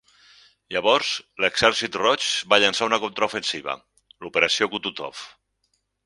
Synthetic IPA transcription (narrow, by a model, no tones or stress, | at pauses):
ʎaβɔɾzleɡz̥ɛɾsit̪rɔt͡ʃβaʎansaunakont̪ɾaufensiβ̞ə̰ | lupeɾəsiokut̪ut̪ɔ̰f